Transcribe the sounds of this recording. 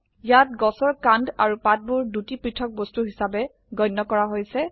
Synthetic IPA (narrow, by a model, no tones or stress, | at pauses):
jat̚ɡɔsɔɹkandaɹupat̚buɹdutipɹitʰɔk̚bostuɦisabɛ | ɡɔjnːɔkɔɹaɦojsɛ